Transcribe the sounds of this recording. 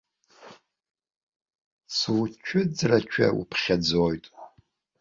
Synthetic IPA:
swt͡ʃʷʰʊd͡zrat͡ʃʷʰa̰wṵpʰχʲad͡zojtʼ

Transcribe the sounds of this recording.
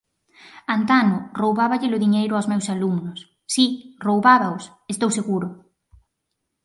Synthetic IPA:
ant̪anʊrowβaβaʎɪlʊðiɲejɾʊawzmewsalumnʊsː | irowβaβaʊs | est̪owseɣuɾʊ

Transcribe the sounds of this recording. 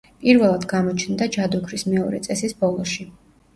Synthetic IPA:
pʼiɾvɛlˠad̪ɡamɔt͡ʃʰnd̪ad͡ʒad̪uɡʰɾismɛɔɾɛ̰t̪sʼɛsisbɔlˠɔʃi

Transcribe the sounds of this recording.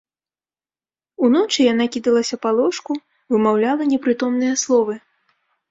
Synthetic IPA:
un̪ɔt͡ʂɨjan̪akʲid̪ɐlˠɐsʲɐpalˠɔʂku | vɨmawlʲalˠɐnʲɛpɾɨt̪ɔmnɨjɐslˠɔvɨ

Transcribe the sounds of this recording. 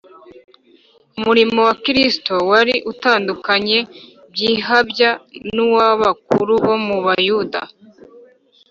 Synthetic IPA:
umuɾimo̞wakiɾistowaɾiʔutaːndukaɲe̞ | bjiːɦabjannuwaβak̚uɾuβo̞muβajuda̰

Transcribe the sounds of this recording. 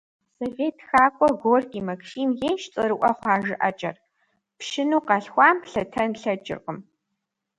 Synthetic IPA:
sovʲeːtʰxaːkʷʼɔɡʷoːrkʲʼiːmɐkʃiːmjeːnʃt͡sʼɐɾɨʔʷɐχʷɑːʒɪʔɐt͡ʃʼɐ̰r | pʃɪnuːqɑɬxʷɑːmɬɐtʰɐnɬɐt͡ʃʼɪ̰rqʼəm

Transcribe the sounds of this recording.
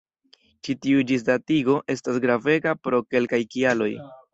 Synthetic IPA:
t͡ʃitiud͡ʒis̬datiɡo̞ʔe̞stasɡɾave̞ɡapɾo̞ke̞lkajkialo̞j

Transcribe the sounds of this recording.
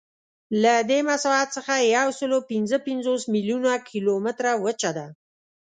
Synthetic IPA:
lad̪emasat̪səxajawsəlopɪnzəpɪnzosmiljunakʰilomɪt̪ɾawət͡ʃad̪a

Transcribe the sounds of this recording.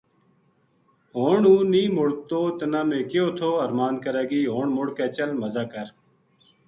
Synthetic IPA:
ɦoːɳũːniːmʊɽt̪oːt̪ənaːmeːkɪjoːt̪ʰoːəɾmaːn̚kəɾaːɡiːɦoːɳmʊɽkeːt͡ʃəlməzaːkəɾ

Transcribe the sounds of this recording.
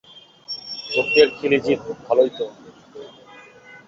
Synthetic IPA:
ʃok̚t̪eɾkʰilid͡ʑiubʱalojt̪o

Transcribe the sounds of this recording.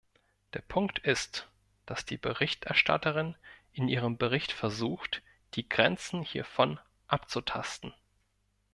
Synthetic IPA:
d̥eːɐpʰʊŋktʰɪst | d̥asd̥iːbəʁɪçtʔɛɐʃtʰa̰təʁɪnʔɪnʔiːʁ̞əmbəʁɪçtfɛɐzuːxt | d̥iːɡʁɛnt͡sn̩hiːɐfɔn | ʔapt͡sutʰa̰stn̩

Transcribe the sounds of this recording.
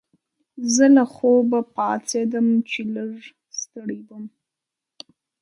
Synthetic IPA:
zəlaxobapɑt͡sed̪əmt͡ʃeləɾ | st̪əɽibəm

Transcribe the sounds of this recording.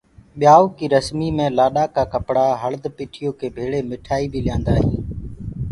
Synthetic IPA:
ɓɪjaːoːkiːɾəsmiːmẽːlaːɗaːkaːkəpɽaːɦəɭd̪piːʈʰɪjoːkʰeːbʱeːɭeːmɪʈʰaːiːbʱiːlɪjãːnd̪aːɦĩː

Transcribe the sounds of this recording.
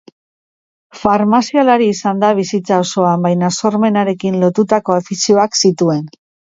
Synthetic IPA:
faɾmasialaɾiːsand̪aβ̞isit͡sao̞so̞ambajnaso̞ɾme̞naɾe̞kinlo̞t̪ut̪ako̞efisio̞aksit̪ue̞n

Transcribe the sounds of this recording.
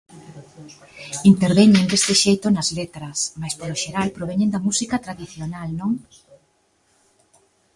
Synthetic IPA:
int̪eɾβeɲend̪est̪eʃejt̪onɐzlet̪ɾɐsmajspoɾoʃeɾalpɾoβeɲẽnd̪ɐmusikɐt̪ɾaðiθjonalnõŋ

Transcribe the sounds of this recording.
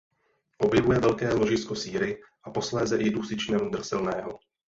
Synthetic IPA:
ʔo̞bjɛvujɛvɛlkɛːlo̞ʒɪsko̞siːɾɪʔapo̞slɛːzɛʔɪduːsɪt͡ʃnɛmud̪r̩sɪlnɛːɦo

